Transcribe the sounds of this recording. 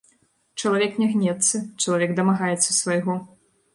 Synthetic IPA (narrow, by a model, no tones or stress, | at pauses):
t͡ʂɐlˠavʲɛknʲɛɣnʲɛt̪sːɐt͡ʂɐlˠavʲɛɡd̪ɐmaɣajɛt̪sːɐsvɐjɣɔ